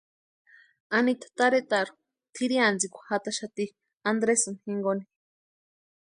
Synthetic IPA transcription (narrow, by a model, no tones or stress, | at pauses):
anit̪ḁt̪aɾet̪aɾu̥ | t̪ʰiɾiand͡zikʷḁhat̪aʃat̪i | and̪ɾesunhiŋɡoni